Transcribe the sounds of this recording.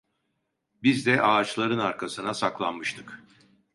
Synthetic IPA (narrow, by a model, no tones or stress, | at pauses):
bizd̪ɛʔaːt͡ʃlˠaɾɯnaɾkʰasɯnasaklˠanmɯʃt̪ʰɯ̥k